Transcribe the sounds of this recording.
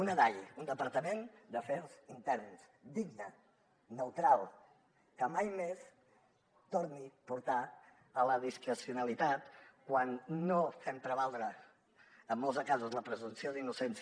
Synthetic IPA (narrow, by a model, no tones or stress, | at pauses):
unəðaʎund̪əpəɾt̪əmend̪əfɛlˠzint̪ɛɾnsd̪iɡ̚nə | nəwt̪ɾalˠ | kəmajmes | t̪oɾnipuɾt̪a | ələðiskɾəsiunəlit̪at̪kwanːofɛmp̪ɾəβalˠd̪ɾə | əmːɔlˠzəkazuzləpɾəzumsioðinusens